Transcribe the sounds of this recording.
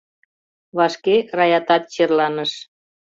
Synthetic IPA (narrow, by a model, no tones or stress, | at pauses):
βɑʃkerɑjɑt̪ɑt̪̚t͡ɕerlɑnəʃ